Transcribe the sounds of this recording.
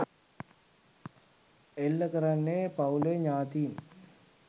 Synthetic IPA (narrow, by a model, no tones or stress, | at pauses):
elːəkəɾanːeːpauleɲaːt̪iːn